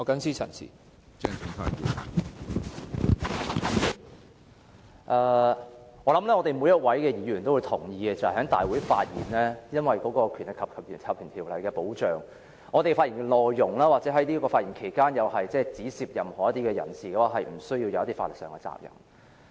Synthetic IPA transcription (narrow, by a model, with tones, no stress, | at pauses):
ŋɔː˨˧kɐ˨˥ŋsiː˥t͡sʰɐ̰˨˩nsḭ˨˩ | t͡sɛ˧˩ŋt͡sʰɪ˨˩ŋfaː˧˥n̚jḭ˨˩n˨˩ | ʔɐː˧ | ɔː˨˧lɐ˨˥mlɛː˥ŋɔː˧t̪e˨jmu˨˧jɐ˥t̚wɐ˨˥jkɛː˧jiː˨˧˥ɥyː˨˩nt̪o˥wu˨˧jt̪ʰʊ˨˩ŋjiː˨˧kɛ˧t͡sɐ˨whɐ˨˩hɐ˨˥ŋt̪aː˨jwu˨˥jfa̰ː˧t̚jḭː˨˩nlɛː˥jɐ˥nwɐ˨jkɔː˨˥kɔː˧kʰyː˨˩nlɪ˨kʰɐ˨p̚kʰɐ˨p̚ːʰɐ˨p̚kʰyː˨˩nt̪ʰiː˨˩wlɐ˨˩jkɛː˧po˨˥wt͡ʃœː˨˩ŋ | ŋɔː˨˧t̪e˨jfaː˧ʔiː˨˩nŋkɛ˧lɔː˨˧jːʊ˨˩ŋlaː˥waː˨t̚t͡sɛ˨˥ɦɐ˨˥jliː˥kɔː˧faː˧jiː˨˩ŋkʰe˨˩jkaː˥njɐ˨˧wɦɐ˨jt͡sɛː˥˩t͡siː˨˥siː˨p̚jɐ˨˩mhɔː˨˩jɐ˥t̪iː˥kɛː˧jɐ̰˨˩nsiː˨kɛː˨˥waː˧˩ɦɐ˨jm̩˨˩sɵ˥ɥjiː˧wjɐ˨˧wjɐ˥t̪i˥faː˧lɪ˨ksœː˨ŋkɛ˧t͡sa̰ː˧k̚jɐ̰˨˩ŋ